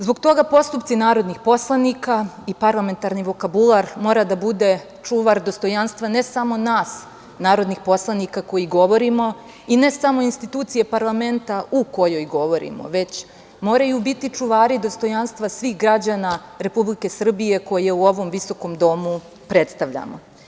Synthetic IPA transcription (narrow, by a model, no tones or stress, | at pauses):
zbo̞ɡt̪o̞ɡapo̞st̪upt̪sinaːɾo̞d̪nixpo̞slˠanikaipaɾlˠame̞nt̪aɾniʋo̞kabulˠaɾmo̞ɾad̪abud̪e̞ | t͡ʂuʋaɾd̪o̞st̪o̞janst̪ʋane̞samo̞naːs | naːɾo̞d̪nixpo̞slˠanikako̞jiɡo̞ʋo̞ɾimo̞ | ine̞samo̞inst̪it̪uːt̪sije̞paɾlˠame̞nt̪auko̞jo̞jɡo̞ʋo̞ɾḭmo̞̰ʋe̞t͡ɕ | mo̞ːɾajubit̪it͡ʂuʋaːɾid̪o̞st̪o̞janst̪ʋasʋiːxɡɾad͡ʑanaɾe̞publike̞sr̩bije̞ko̞jeuo̞ʋo̞mʋiso̞ko̞md̪o̞mu | pɾe̞t̪st̪aʋʎa̰mo̞̰